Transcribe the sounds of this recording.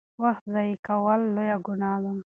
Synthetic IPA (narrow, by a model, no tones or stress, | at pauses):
waxt̪zɑikawəlːojaɡʊnaːzam